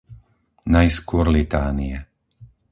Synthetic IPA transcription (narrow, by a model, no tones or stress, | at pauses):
najskʊɔɾlit̪aːniɛ